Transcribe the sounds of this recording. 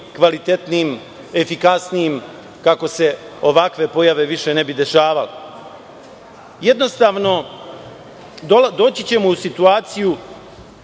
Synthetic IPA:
kʋalit̪et̪niːm | e̞fikasnijim | kako̞se̞ | o̞ʋakʋe̞po̞jaʋe̞ʋiʃe̞ne̞bid̪e̞ʃaːʋale | je̞d̪no̞st̪aːʋno̞ | d̪old̪o̞ːt͡ɕit͡ɕe̞muusit̪uaːt̪siju

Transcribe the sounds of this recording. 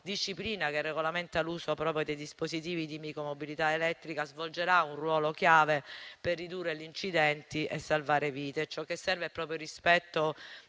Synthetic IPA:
d̪iʃːipliːnakerːeɡolament̪aluːsopɾɔːpɾjod̪ejd̪ispozit̪iːvid̪imikɾomobilit̪aelɛt̪ːɾikazvold͡ʒeɾaunrwɔːlokjaːveperːid̪urːelint͡ʃid̪ɛnt̪iʔesːalvaːɾeviːt̪et͡ʃɔkːesːɛrveɛpːɾɔːpɾjoɾispɛt̪ːo

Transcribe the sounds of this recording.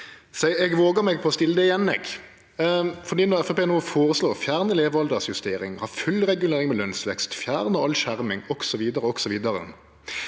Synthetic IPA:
sɛɛɡʋoːɡəmɛɡ̚pʰɔɔst̪ɪlːəd̪ɛɪjɛnːɛ̰ɡ | fɔd̪iːnɔɛfɛpeːnoːfoːʁəsloːʁfjæːʁnəleːʋɑld̪əsjʉst̪eːɾɪ̰ŋhɑːfʉlʁɛɡʉleːɾɪŋmɛlœnsʋɛkst̪fjæːʁnəɑlʃæʁmɪŋɔɡ̥sɔʋiːd̪əʁəɔksɔʋiːd̪əʁə̰

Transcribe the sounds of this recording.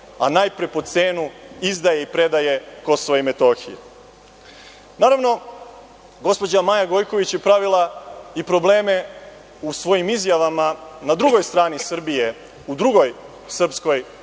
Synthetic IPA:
a̰najpɾe̞po̞t̪seːnuizd̪aje̞ipɾe̞d̪aje̞ko̞soʋoime̞t̪o̞ːxijḛ | naːɾaʋno̞ | ɡo̞spo̞d͡ʑamajaɡo̞jko̞ʋit͡ɕje̞pɾaʋilˠaipɾo̞ble̞ːme̞ | usʋo̞jimizjaʋamanad̪ɾuɡo̞jst̪ɾaːnisr̩bije̞ | ud̪ɾuɡo̞j | sr̩psko̞j

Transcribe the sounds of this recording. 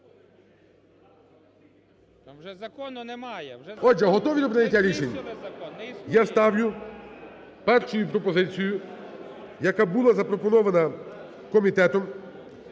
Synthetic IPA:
ɔd͡ʒɛɦɔt̪ɔʋʲid̪ɔpɾɪnʲɐtʲːaɾʲit͡ʃenʲːɐ | jast̪ɑwlʲʊ | pɛrʃʊjʊpɾɔpɔzɪt͡sʲijʊ | jɐkabulˠazɐpɾɔpɔnɔʋɐnɐ | kɔmʲit̪ɛt̪ɔm

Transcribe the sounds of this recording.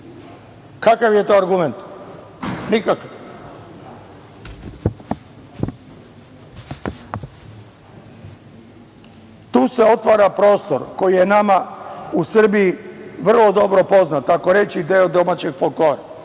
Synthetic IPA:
kakaʋje̞t̪o̞ːaɾɡument̪ | nikakaʋ | t̪uːse̞o̞t̪ʋaːɾapɾo̞ːst̪oɾko̞jije̞namausr̩bijiʋr̩lˠo̞d̪o̞bɾo̞po̞znat̪ako̞ɾe̞t͡ɕid̪eːod̪o̞mat͡ɕeɡ̥folˠkloːɾa

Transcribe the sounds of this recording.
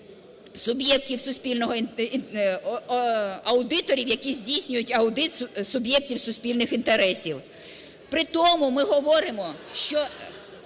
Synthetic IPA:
sʊbjɛk̚tʲiwsʊsʲpʲilʲnɔɦɔn | ɐwd̪ɪt̪ɔɾʲiwjɐkʲizʲdʲijsʲnʲʊjʊtʲɐʊd̪ɪt̪sʊbjɛk̚tʲiwsʊsʲpʲilʲnɪxint̪eɾɛsʲiw | pɾɪt̪ɔmʊmɪɦɔʋɔɾɪmɔʃt͡ʃɔ

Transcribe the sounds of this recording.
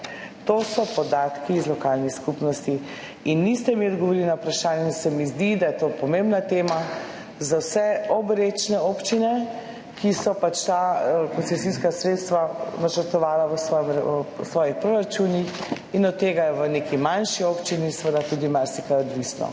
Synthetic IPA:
t̪oːsɔpɔd̪aːt̪kiːzlɔkalniskupnɔst̪i | inːist̪ɛmiɔd̪ɡɔʋoɾilinawpɾaʃaːnjɛsɛmizd̪id̪ajɛt̪opɔmembnat̪eːma | zawsɛɔbɾet͡ʃnɛopt͡ʃinɛ | kʰisɔpat͡ʃt̪akɔnsɛsiskasɾet̪st̪ʋanat͡ʃəɾt̪ɔʋaːlaʋəsɔsʋɔːjixpɾoɾat͡ʃunix | inɔt̪ːeːɡajɛʋənekimanʃiopt͡ʃinisəʋəd̪at̪ud̪imaɾsikaɔd̪ʋisnɔ̰

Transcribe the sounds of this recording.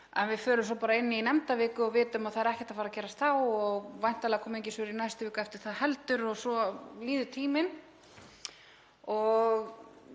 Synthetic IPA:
ɛnvɪfœːɾʏmsɔpaɾaɪnːɪinɛmt̪avɪːkʏɔvɪːt̪ʏmaðθaðɾɛhcɛ̥ht̪afaːɾacɛːɾast̪θawɔɣvajn̥t̪alɛɣakʰɔːmʏejɲcɪsʏɾinajst̪ʏvɪːkɛft̪ɪɾ̥θaðhɛlt̪ʏɾɔɣsɔliːðʏt̪ʰiːmɪn | ɔɣ

